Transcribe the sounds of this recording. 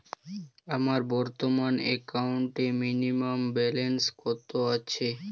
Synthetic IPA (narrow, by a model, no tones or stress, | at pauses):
amaɾbɔɾt̪omanɛkawɳʈeminimambɛlenskot̪ːoaːɕʰe